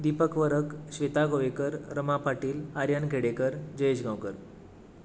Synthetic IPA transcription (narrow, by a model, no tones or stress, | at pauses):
d̪ipəkʋəɾəkɕʋet̪aɡoʋekəɾɾəmapaʈiːlaɾjanɡʱeɽekəɾd͡ʑəed͡ʑɡãwkəɾ